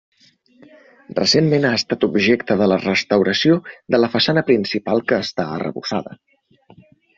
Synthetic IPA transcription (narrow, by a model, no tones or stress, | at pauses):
rə̰semmenaəst̪at̪ubʒekt̪əðələrəst̪əwɾəsiod̪ələfəsanəpɾinsipalˠkəːst̪aə̰rə̰βusaðə̰